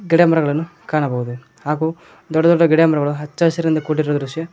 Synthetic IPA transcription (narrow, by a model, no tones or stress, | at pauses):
ɡɛɽjɐmɐɾɐɡɐɭɐnːukaːɳɐbɐɦud̪u | aːɡu | d̪ɔɖːɐd̪ɔɖːɐɡɛɽjamɐɾɐɡɐɭuɦɐt͡ʃːaːsɾind̪ɐkuːʈːiɾɾoːd̪ɐɾuʂjɐ